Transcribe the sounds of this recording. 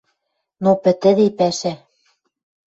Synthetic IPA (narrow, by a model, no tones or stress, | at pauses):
nopɘ̆t̪ɘ̆d̪epæʃæ